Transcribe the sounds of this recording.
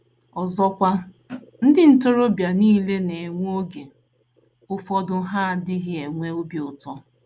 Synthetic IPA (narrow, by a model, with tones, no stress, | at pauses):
ɔ˨zɔ˦kʷa˦ | n̩˦dɪ˦n̩˦to˦ɾo˦bja˨niː˦le˦ne˨ŋʷ˦o˦ɡe˨ | ʊ˦fɔ˦dʊ˦ɦa˦˨dɪ˦ɦɪ˦e˨ŋʷe˦o˦bjʊ˨tɔ˦